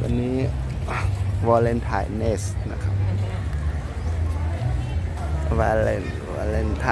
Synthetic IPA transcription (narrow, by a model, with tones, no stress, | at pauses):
wa̰˧nːiː˦˥ | wɔː˧le˧nt̪ʰa̰ː˧˩jne˧˩sna̰˧kʰa˦p̚ | wa˧le˧n | a̰˧le˧˩nt̪ʰa